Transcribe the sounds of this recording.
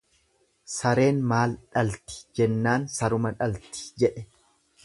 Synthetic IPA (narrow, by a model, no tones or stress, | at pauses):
sɐɾe̞ːnmaːlᶑɐlt̪ɪ̥d͡ʒɛnːaːnsɐɾʊmɐᶑɐlt̪ɪ̥d͡ʒɛᶑɛ